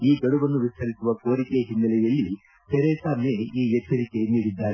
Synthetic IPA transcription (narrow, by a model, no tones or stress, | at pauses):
iːɡɐɽuʋɐnːuʋist̪ʰɐɾisuʋɐko̞ːɾikeɦinːɐlɛjɐlːi | sɛɾeːsaːmjeiːjɛt͡ʃːɐɾike̞niːɽid̪ːaːɾe